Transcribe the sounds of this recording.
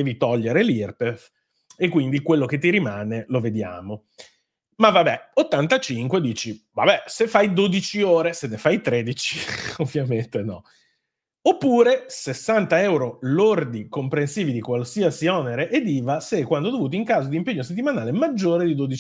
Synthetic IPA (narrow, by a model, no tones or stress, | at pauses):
ɛːvit̪ɔʎːeɾelirpef | ekːwind̪ikwelːoket̪ːiɾimaːneloved̪ja̰ːmo | mavabɛot̪ːant̪at͡ʃiŋkwed̪iːt͡ʃiva̰bɛsefajd̪od̪it͡ʃioːɾesenːefajt̪ɾed̪it͡ʃiovːjament̪enɔ | opːuːɾesesːant̪aɛwɾolord̪ikompɾensiːvid̪ikwalsiasiɔneɾeʔed̪iːvasekːwand̪od̪ovuːt̪oiŋkaːzod̪iːmpeɲːos̬et̪ːimanaːlemad͡ʒːoːɾed̪id̪od̪it͡ʃ